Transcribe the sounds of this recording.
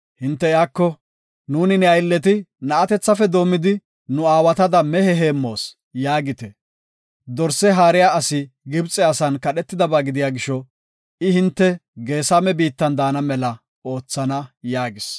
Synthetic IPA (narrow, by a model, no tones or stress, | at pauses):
hɪnt̪ːɛjaːkːɔ | nuːnɪnɛɐjlːɛt̪ɪnɐʔɐt̪ɛt͡sːɐfɛd̪o̞ːmɪd̪ɪ | nʊaːwɐt̪ɐd̪ɐmɛhɛɦe̞ːmːo̞ːs | jaːɡɪt̪ɛ | d̪ɔɾsɛɦaːɾɪjaːɐsɪ | ɡɪbt͡sʼːɛɐsɐnkɐɗɛt̪ːɪd̪ɐbaːɡɪd̪ɪjaːɡɪʃːɔ | ɪhɪnt̪ːɛɡe̞ːsamɛbiːt̪ːɐnd̪aːnɐmɛlɐ | o̞ːt͡sːɐnɐjaːɡɪs